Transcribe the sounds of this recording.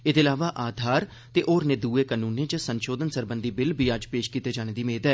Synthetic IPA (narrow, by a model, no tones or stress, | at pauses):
ɪd̪eːlaːʋaːʔaːd̪ʱaːɾ | t̪eːʔoːɾneːd̪uːeːkanuːnːẽːd͡ʒəsənʃoːd̪ənsəɾbənd̪iːbɪlbʱiːad͡ʒpeːʃkiːt̪eːd͡ʒaːɽ̃eːd̪iːmeːd̪ɛ